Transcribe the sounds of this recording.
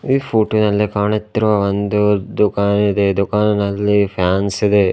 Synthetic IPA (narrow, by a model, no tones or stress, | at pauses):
iːpʰuːʈnɐlːikaːɳit̪ːiɾuʋɐʋond̪ud̪ukaːnid̪e̞d̪ukaːnnɐlːipʰjaːnsid̪e̞